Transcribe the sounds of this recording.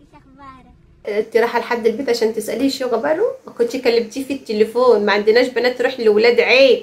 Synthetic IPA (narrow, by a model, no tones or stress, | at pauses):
t̪eɾˤɑːħælħad̪ːelbeːt̪ʕaʃæːnt̪esʔæliʃoɣæbælomækont̪jekælːebt̪iːfit̪ːelefoːnmæʕand̪enæːʃbænæːt̪ːɾuːħlewelæːd̪ʕeː